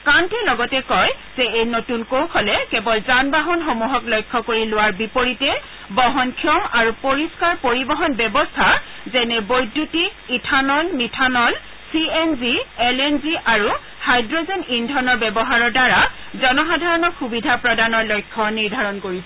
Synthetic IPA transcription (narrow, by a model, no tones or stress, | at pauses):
kantɛlɔɡɔtɛkɔjz̥ɛejnotunkowkʰɔlɛkɛbɔlzanbaɦɔnxomuɦɔklɔjkʰːɔkoɹilʊwaɹbipoɹitɛ | bɔɦɔnkʰiɔmaɹupoɹiskaɹpoɹibɔɦɔnbɛbɔstʰa | zɛnɛbojdːutiitʰanɔlmitʰanɔl | sienziɛlenziʔaɹu | hajdɹɔzɔnindʱɔnɔɹbɛbɔɦaɹɔɹdaɹa | zɔnɔxadʱaɹɔnɔxubidʱapɹɔdanɔɹlɔjkʰːɔniɹdʱaɹɔnkoɹisɛ